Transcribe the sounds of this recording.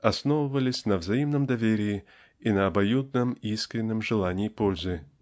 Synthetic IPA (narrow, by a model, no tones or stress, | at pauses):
ɐsnovəvəlʲɪsʲnəvzɐimnəmd̪ɐvʲeɾʲɪɪ | inɐːbɐjud̪̚nəmiskɾʲɪnːɨmʐɨlˠanʲɪːpolʲzɨ